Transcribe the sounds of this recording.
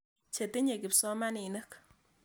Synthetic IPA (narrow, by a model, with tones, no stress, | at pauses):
t͡ʃe˨t̪e˦ɲe˨ki˨psɔ˦ma˦ni˨nɨ˦k